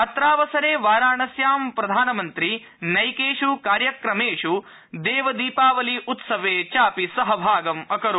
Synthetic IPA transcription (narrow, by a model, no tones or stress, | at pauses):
ɐt̪ɾaːʋɐsɐɾeːʋaːɾaːɳɐsjaːmpɾɐd̪ʱaːnɐmɐnt̪ɾi | nɐjkeːʂukaːɾjɐkɾɐmeːʂu | d̪eːʋɐd̪iːpaːʋɐliʔut̪sɐʋeːt͡ʃaːpisɐɦɐbʱaːɡɐmɐkɐɾu